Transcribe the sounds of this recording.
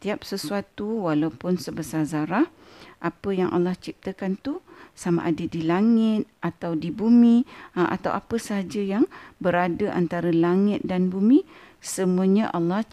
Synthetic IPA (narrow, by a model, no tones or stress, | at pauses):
t̪iap̚səsuat̪uwalawpʊnsəbəsazaɾah | ʔapəjaŋʔa̰lːaht͡ʃip̚t̪əkant̪usama̰ʔadədilaŋɪt̪̚at̪awdibumiʔa̰t̪awʔapəsəɦad͡ʒəjaŋbəɾadəʔa̰nt̪aɾəlaŋɪt̪̚danbumĩ | səmuəɲaʔalːah